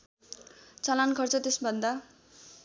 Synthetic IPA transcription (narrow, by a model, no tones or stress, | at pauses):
t͡sʌlankʰʌrt͡sʌt̪esbʱʌnd̪a